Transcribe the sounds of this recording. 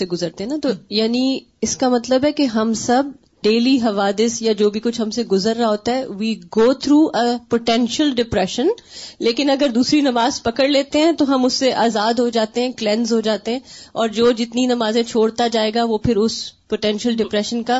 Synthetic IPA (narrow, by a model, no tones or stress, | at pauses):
eɡʊzəɾt̪ẽɦɛ̃nat̪ojaːni | ɪskamɐt̪ləbɦɛkeɦɐmsɐb̚ | ɖeːliɦɐʋaːd̪ɪsjad͡ʒoːbʱikʊt͡ʃʰɦɐ̃mseɡʊzəɾːaɦoːt̪aɦɛʋiːɡoːt̪ʰɾuːʔəpoʈɛ̃nʃəlɖɪpɾɛʃə̃nleːkɪnɐɡəɾd̪uːsɾinɐmaːzpɐkəɽleːt̪eɦɛ̃t̪oɦɐmʊsːeʔaːzaːd̪ɦod͡ʒaːt̪eɦɛ̃klɛ̃nzɦod͡ʒaːt̪eɦɛ̃ɔːɾd͡ʒoːd͡ʒɪt̪ninɐmaːzẽt͡ʃʰoːɽt̪ad͡ʒaːeːɡaʋoːpʰɪɾʊspoʈɛ̃nʃəlɖɪpɾɛʃənka